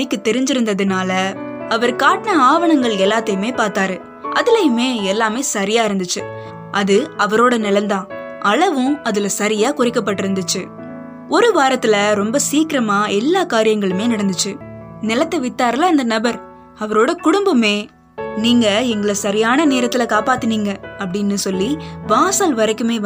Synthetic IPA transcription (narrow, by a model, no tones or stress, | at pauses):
ɪkːɯt̪ːɛɾɪɲd͡ʒɪɾɯnd̪ɐðɯnaːlɐɐʋɐɾkaːʈnɐaːʋɐɳɐŋɡɐɭɛlːaːt̪ɐjɯmeːpaːɾt̪aːɾɯ | ʔɐðɪlɐjɯmeːɛlːaːmeːsɐɾɪjaːɪɾɯnd̪ɯt͡ʃːɯ | ʔɐðɯɐʋɐɾoːɽɐnɪlɐnd̪ãːʔɐlɐʋɯ̃ɐðɯlɐsɐɾɪjaːkʊrɪkːɐp̬ːɐʈːɯɾɯnd̪ɯt͡ʃːɯ | ɔɾɯʋaːɾɐt̪ːɪlɐɾɔmbɐsiːkɪɾɐmaːɛlːaːkaːɾɪjɐŋɡɐɭɯmeːnɐɽɐnd̪ɯt͡ʃːɯnɪlɐt̪ːɐʋɪt̪ːaːɾɐlɐɐnd̪ɐnɐbɐɾ | ɐʋɐɾoːɽɐkʊɽʊmbɐmeː | niːŋɡɐɛŋɡɐɭɐsɐɾɪjaːnɐneːɾɐt̪ːɪlɐkaːpaːt̪ːɯniːŋɡɐɐpːɐɽɪnːɯsɔlːiʋaːsaːlʋɐɾɐɪkːɯmeː